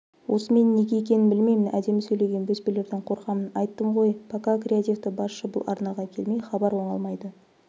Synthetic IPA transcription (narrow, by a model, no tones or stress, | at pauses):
wʔo̞səme̞nːe̞ɡʲeekʲe̞nɪnbɪlme̞jmɪnʔæd̪e̞mɪsɵjle̞ɡʲe̞nbɵspele̞ɾd̪eɴqʰo̞ɾqɑmənɑjt̪ːəɴʁo̞jpʰakakrʲɪat̪ivt̪ɪbɑsʃəbʊ̰lˠʔɑ̰ɾnɑʁɑkʲʰe̞lme̞jχɑbɑɾwo̞ɴɑlˠmɑjd̪ə